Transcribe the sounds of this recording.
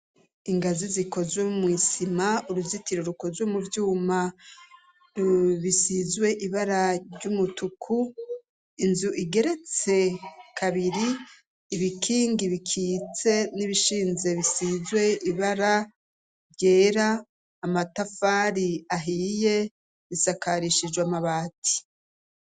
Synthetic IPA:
iŋɡaziziko̞zwemwisimauɾuzitiɾoɾuko̞zwemuvjuːma | uβisizwe̞ʔiβaɾaɾɟumutukʰu | inzuʔiɡe̞ɾe̞t͡se̞kʰaβiɾiː | βikʰiːŋɡiβikʰiːt͡se̞niβiʃiːnze̞βisizwe̞iβaɾa | ɾɟe̞ːɾaː | matafaːɾiaɦiːje̞ | βisakaɾiʃid͡ʒɡwamaβaːtʰi̥

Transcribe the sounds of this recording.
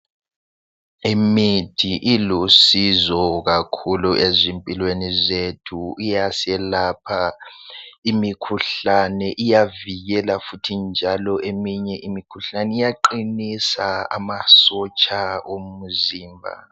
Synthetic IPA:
emid̥ʰʱiʔilusizɔɣakʰuluezimpʼilwenizetʰuijasɛlapʰa | imikʰuɬanɛʔijaviɣɛlafutʰind͡ʒʱalɔʔemiɲɛʔimikʰuɬanɛijaǃinisaa̰masɔt͡ʃʼaomuziːmbʱa̰

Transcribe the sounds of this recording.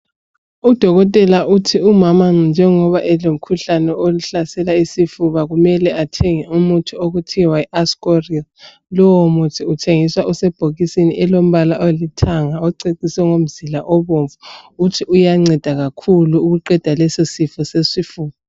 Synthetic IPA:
ud̥ʱɔɣɔtʼɛlautʰiumamaŋ͡ǀnd͡ʒʱɛŋɔβaʔɛlom̩kʰuɬanɛoluɬasɛlaisifuβaɣumɛlɛatʰeŋiumutʰuoɣutʰiwaɛʔaskʼoril | lɔwomutʰiutʰeŋiswaʔusɛb̥ʱoɣisiniʔɛlom̩βalaʔolitʰaŋaɔǀeǀisɛŋom̩z̥ilaʔɔβoɱvuːtʰiujaŋ͡ǀɛd̥ʱaɣakʰuluːɣuǃɛd̥ʱalɛsisifɔsesifuːβa

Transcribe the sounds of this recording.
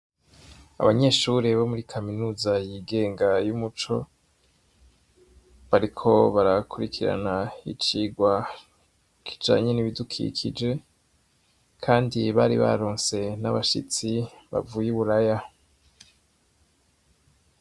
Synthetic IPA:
a̰βaɲe̞ːʃuːɾeβo̞muɾikʰaminuːzajiɡe̞ːŋɡajumut͡ʃo̞ | βaɾikʰo̞βaɾakʰuɾikʰiɾa̰nait͡ʃiːɡwa | kʰi̥d͡ʒa̰ːɲe̞niβidukʰḭkʰid͡ʒe̞ | kʰaːndiβaɾḭβa̰ɾoːnse̞naβaʃḭt͡siβa̰vujiβuɾaja

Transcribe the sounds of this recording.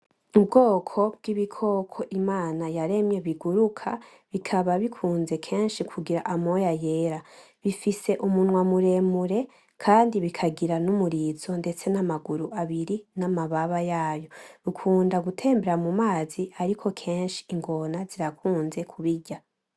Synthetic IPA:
ub̚ɡo̞ːkʰo̞b̚ɡ̥iβikʰo̞ːkʰo̞ʔimaːnajaɾe̞mɲe̞βiɡuɾukʰa̰ | βikʰaβaβikʰuːnze̞kʰe̞ːnʃikʰuɡiɾaʔamo̞jaje̞ːɾa | βifise̞ʔumunwamuɾe̞muɾe̞ | kʰaːndiβikʰaɡiɾanumuɾiːzo̞nde̞t͡se̞namaɡuɾuaβiɾinamaβaβajaːjo̞βikʰuːndaɡutʰe̞ːmbe̞ɾamumaːziaɾikʰo̞kʰe̞ːnʃi̥iŋɡo̞naziɾakʰuːnze̞kʰuβiɟa

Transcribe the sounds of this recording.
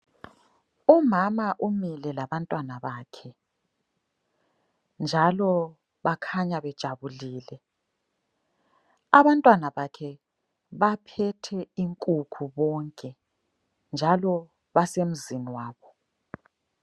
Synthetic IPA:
umamaʔumilɛlaβantʼwanaβaːkʰɛ | nd͡ʒʱalɔ | βakʰaɲaβɛd̥ʒ̥ʱaβuliːlɛ | aβantʼwanaβakʰɛ | βapʰɛtʰɛiŋkʼukʰuβɔŋkʼɛ | nd͡ʒʱalɔ | βasem̩ziniwaːβɔ

